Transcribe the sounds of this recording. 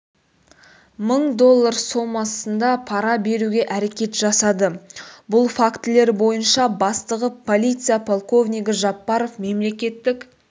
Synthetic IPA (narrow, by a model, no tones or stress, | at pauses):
məɴd̪o̞lˠːaɾso̞mɑsənd̪ɑpʰɑɾɑbe̞ɾuɡʲe̞ʔæɾe̞kʲe̞t̪ʒ̥ɑsɑd̪əbʊlˠfakt̪ɪle̞ɾbo̞jənʃɑbɑst̪əʁəpʰo̞lʲijt̪sɨjapʰolˠko̞vnʲijɡʲɪʒɑpːɑɾo̞fme̞mle̞kʲe̞t̪ːɪk